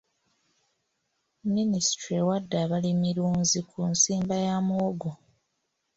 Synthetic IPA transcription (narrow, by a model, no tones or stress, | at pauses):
ministɾewadːaːβalimiɾuːnzikʰunsiːmbajamuoɡo